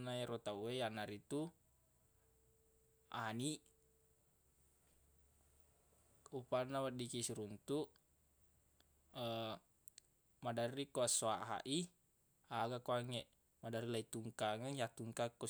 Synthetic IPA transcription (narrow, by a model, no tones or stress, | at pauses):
naeɾot̪auejanaɾit̪u | aniʔ | upanːawadikisiɾunt̪uʔ | ə | madaɾikoasoaʔɦa̰ʔi | aɡakoaŋeʔ | madaɾilait̪uŋkaŋəjat̪uŋkakːo